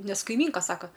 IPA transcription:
ˈnʲɛs kɐɪˈmʲiːŋkɐ ˈsɑːkɐ

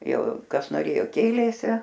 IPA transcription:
ˈjɛʊ ˈkɐs noːˈrʲeːjoː ˈkʲeːlʲeːsʲɪ

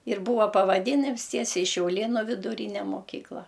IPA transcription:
ɪr ˈbuːʋɐ pɐʋɐˈdʲiːnʲɪms ˈtʲiɛsʲɛɪ ʃʲɛʊˈlʲeːnʊ ʋʲɪdʊˈrʲiːnʲɛ moːˈkʲiːklˠɐ

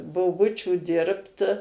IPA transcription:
boːˈbʊt͡ʃʲʊ ˈdʲɪrpt

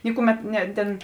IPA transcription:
ˈnʲɪkʊˌmʲɛt nʲɛ tʲeːn

